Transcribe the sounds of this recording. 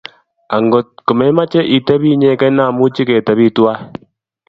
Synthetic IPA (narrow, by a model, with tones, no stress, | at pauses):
a˨ŋɡo˨t̚kʊ˨mɛ˨˦ma˦t͡ʃɛ˦ʔi˨tɛ˦bi˦ɲɛ˦kɛ˦na˦˨mu˦t͡ʃi˦kɛ˨tɛ˨bi˦˨twa˦